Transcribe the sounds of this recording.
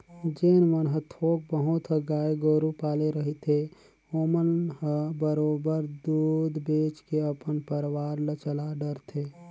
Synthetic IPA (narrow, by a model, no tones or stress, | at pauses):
d͡ʒeːnmənɦət̪ʰoːk̚bəɦut̪ɦəɡaːjɡoɾupaːleɾəɦit̪ʰe | oːmənɦəbəɾoːbəɾd̪ud̪beːt͡ʃkeəpənpəɾwaːɾlət͡ʃəlaɖəɾt̪ʰe